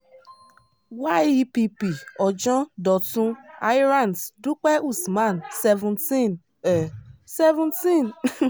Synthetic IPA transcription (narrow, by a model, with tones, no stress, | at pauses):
wa˦ji˦pi˦pi˨ɔ˨d͡ʒɔ̃˦dɔ˨tũ˦a˦jɾa˨nsdu˦k͡pɛ˦ʔu˦˨sma˦˨n˨sɛ˦vũ˨nti˦˨n | ɛ˨sɛ˦vũ˦nti˦˨n